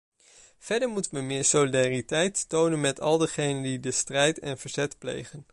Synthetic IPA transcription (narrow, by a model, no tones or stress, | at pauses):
v̥ɛɹdəɹmutənʋəmɪːɹsolidaːritɛjttownənmɛtʰɑ̰lˠdəχejnəndidəstrɛjtɛ̰nvəɹz̥ɛtplḛjχən